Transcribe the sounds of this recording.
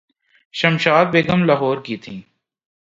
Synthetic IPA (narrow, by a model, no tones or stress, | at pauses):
ʃɐmʃaːd̪̚beːɡəmlaɦɔːɾkiːt̪ʰĩː